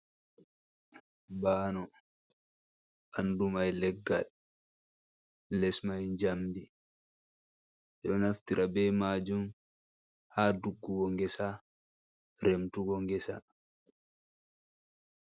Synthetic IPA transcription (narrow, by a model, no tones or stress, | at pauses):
baːnɔ | ʔandumajlɛɡːal | lɛsmajnd͡ʒamdi | ɛɗɔnaft̪iɾʔabɛːmaːd͡ʒun | haːduɡːuɡɔŋɡɛsa | ɾɛmtuɡɔŋɡɛsa